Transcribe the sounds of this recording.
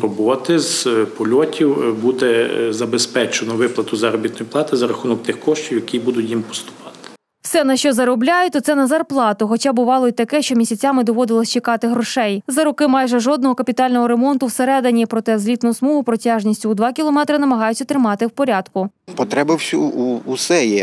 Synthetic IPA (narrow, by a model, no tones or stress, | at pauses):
ɾɔbɔt̪ɪzpɔlʲɔtʲiwbud̪ɛzɐbespɛt͡ʃenɔʋɪplˠɐt̪ʊzɐɾɔbʲit̪nɔjplˠɑt̪ɪzɐɾɐxunɔk̚t̪ɪxkɔʃtʲiwjɐkʲibud̪ʊtʲjimpɔ̥st̪ʊ̥pɑ̥t̪ɪ̥ | wsɛnɐʃt͡ʃɔzɐɾɔblʲajʊt̪ɔt̪sɛnɐzɐrplˠɑt̪ʊxɔt͡ʃɑbʊʋɑlˠɔit̪ɐkɛʃt͡ʃɔmʲisʲɐt͡sʲamɪd̪ɔʋɔd̪ɪlˠɐsʲt͡ʃɪkɑt̪ɪɦɾɔʃɛjzɐɾʊkɪmɑjʒɛʒɔd̪nɔɦɔkɐpʲit̪ɑlʲnɔɦɔɾemɔnt̪ʊwseɾɛd̪enʲipɾɔt̪ɛzlʲit̪nʊsmɔɦʊpɾɔtʲɑʒnʲisʲtʲʊwd̪ʋɑkʲilˠɔmɛt̪ɾɪnɐmɐɦɑjʊt͡sʲːɐt̪ɾɪmɑt̪ɪwpɔɾʲad̪kʊ | pɔt̪ɾɛbɐwsʲuːsɛjɛ